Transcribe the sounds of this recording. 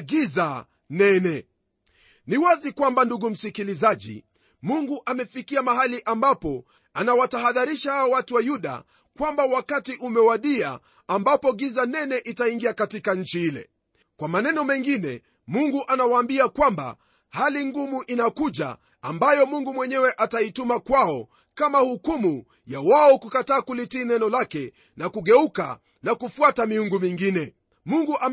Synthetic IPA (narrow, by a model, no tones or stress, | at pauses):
ɡiza | nɛnɛ | niwazikwambanduɡum̩sikilizaʄḭ | muŋɡuʔamɛfikiamaɦaliʔambapɔ | anawataɦaðaɾiʃahawawatuwajuɗa̰ | kwambawakatiʔumɛwaɗia | ambapɔɡizanɛnɛʔitaiŋɡiakatikaɲ̩t͡ʃiilɛ̰ | kwamanɛnɔmɛŋɡinɛ | muŋɡuʔanawaːmbiakwamba̰ | haliŋɡumuʔinakuʄa̰ː | mbajɔmuŋɡumwɛɲɛwɛʔataitumakwaɔ | kamahukumu | jawaɔkukataːkulitiːnɛnɔlakɛ | nakuɡɛuka̰ | nakufuatamiuŋɡumiŋɡinɛ | muŋɡuʔa